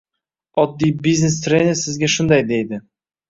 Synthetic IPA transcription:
ɒd̪ːijbiznest̪ɾenɪsɪzɡʲæʃʊnd̪ɑjd̪ejd̪ɪ

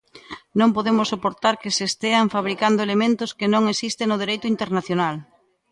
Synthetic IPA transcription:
nõmpoðemʊsːopoɾt̪aɾkesest̪eaɱfaβ̞ɾikand̪oelemẽnt̪ʊskenõŋesist̪eŋnʊð̞eɾejt̪ʊint̪eɾnaθjonal

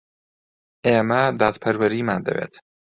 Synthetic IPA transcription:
eːmɐd̪aːt̪pʰɐɾwɐɾiːmaːnd̪ɐ̰wḛːt̪

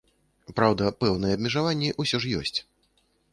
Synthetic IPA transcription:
pɾawd̪ɐpɛwn̪ɨjɛːbʲmʲɛʐavanʲːiʔusʲɔʂjɔ̰sʲt͡sʲ

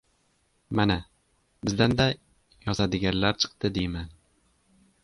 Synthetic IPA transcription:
mana | bɪzd̪and̪a | jɒzad̪ɪɡʲanlaɾt͡ʃʰɨ̥qt̪ɪd̪ejman

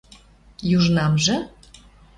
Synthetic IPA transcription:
juʒnɑmʒĕ

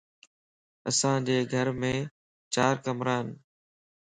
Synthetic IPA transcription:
əsãːd͡ʑeːɡʱəɾmẽː | t͡ʃaːɾkəmɾaːn

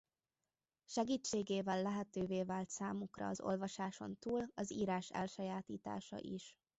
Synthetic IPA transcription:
ʃɛɡiːt͡ʃːeːɡeːvɛlːɛɦɛt̪øːveːvaːlt̪saːmukrɒ̰ɒzo̞̰lvɒʃaːʃo̞̰nt̪uːlɒziːɾaːʃɛ̰lʃɒjaːt̪iːt̪a̰ːʃɒ̰ʔiʃ

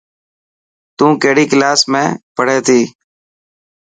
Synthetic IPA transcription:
t̪ũːkeːɽiːklaːsmẽːpəɽ̤eːt̪ʰiː

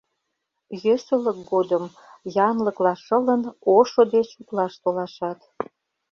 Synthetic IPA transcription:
jøsələk̚ɡod̪əm | jɑnləklɑʃə̆lənoʃod̪et͡ɕuklɑʃt̪olɑʃɑt̪

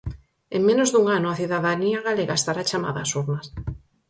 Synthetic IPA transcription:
eŋmẽnozðuŋanoʊaθiðaðaniaɣaleɣaest̪aɾat͡ʃama̰ðaːsuɾnas

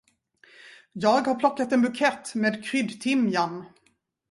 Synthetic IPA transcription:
jɑːɡhaɾpʰlɔkːat̪ɛnbɵkʰɛt̪ːmeːd̪kʰɾʏd̪t̪ʰɪmjan

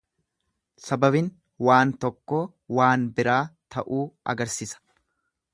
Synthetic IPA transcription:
sɐbɐbɪn | waːnt̪ɔkːoː | waːnbɪɾaːt̪ʰɐʔuːɐ̰ɡɐɾsiːsɐ̥

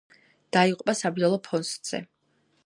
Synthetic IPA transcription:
d̪̥aiqʼupʼasabiɔlˠɔpʰɔnst̪z̥ɛ̰

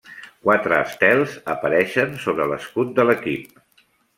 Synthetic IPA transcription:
kwat̪ɾəːst̪ɛlˠzəpəɾɛʃənsoβɾələskut̪̚d̪ələkip̚

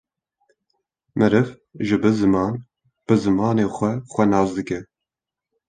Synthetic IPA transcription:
mɨɾɨv | ʒɨbɨzɨmɑːn | b̥ɨzɨmɑːneːxʷɛxʷɛnɑːzd̪ɨkɛ

